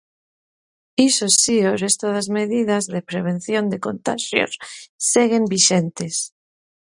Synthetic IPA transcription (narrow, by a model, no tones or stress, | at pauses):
isosiorest̪oðazmeðiðazðepɾeβ̞ẽnθjond̪ekont̪aʃjo̰sːeɣembiʃent̪es